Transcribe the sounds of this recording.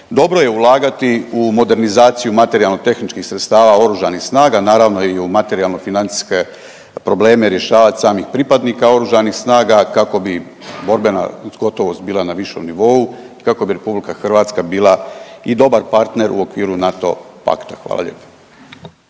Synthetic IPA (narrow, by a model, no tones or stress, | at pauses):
d̪o̞bɾo̞je̞ulˠaːɡat̪iumo̞d̪e̞ɾnizaːt̪sijumat̪e̞ɾijalˠnot̪e̞xnit͡ʃkixsɾet̪st̪aːʋao̞ɾuʒanixsnaːɡanaːɾaʋnoiumat̪e̞ɾialnofinant̪si̥ske̞ | pɾo̞ble̞ːme̞ɾje̞ʃaːʋat̪ʲsaːmixpɾipad̪nikao̞ɾuʒanixsnaːɡakako̞bi | bo̞ɾbena̰ɡo̞t̪o̞ʋo̞st̪̚biːlˠanaʋiʃo̞̰mniʋo̞uikako̞biɾe̞publikaxrʋaːt̪skabiːlˠaid̪o̞baɾpaɾt̪ne̞ɾʔṵo̞kʋiːɾunat̪o̞̰pa̰kt̪ḁxʋa̰ːla̰ʎḛːpḁ